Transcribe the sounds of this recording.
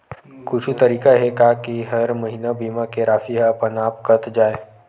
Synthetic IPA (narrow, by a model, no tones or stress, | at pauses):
kʊt͡ʃʰut̪ɐɾiːkaɦɛkakiɦɐɾmɐɦinabʱiːmakeɾaːfiɦaɐpənaːpkət̪d͡ʒaːeː